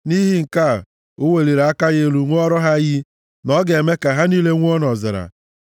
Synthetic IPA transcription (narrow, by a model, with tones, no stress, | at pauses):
ni˦ɦi˦ŋ̩˨ka˦˨ | ʊ˦we˨li˨ɾa˦ka˦ɣe˦ɾu˨ŋʷ˦ɔ˦ɾɔ˦ɦa˦ɣi˦ | nɔ˦ɡe˨me˦ka˨ɦa˦niː˦le˦ŋʷ˦ɔ˦nɔ˨zɪ˨ɾa̰˨